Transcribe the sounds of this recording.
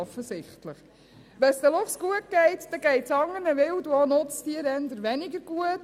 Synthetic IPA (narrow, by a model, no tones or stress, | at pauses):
ɔfəsɪχtləχ | ʋɛnsd̪əlʊfsɡ̥uət̚ɡɛɪt̪d̥̪ɛɡ̥ɛɪtt͡sɑŋːəɾnəʋɪwduonʊt͡stiəɾɛnd̪əɾʋɛniɡəɾɡ̥uət